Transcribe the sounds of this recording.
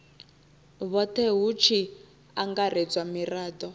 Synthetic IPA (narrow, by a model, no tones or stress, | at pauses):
βɔt̪ʰɛɦut͡ʃʰi | aŋɡaɾed͡zwamiraːd̪ɔ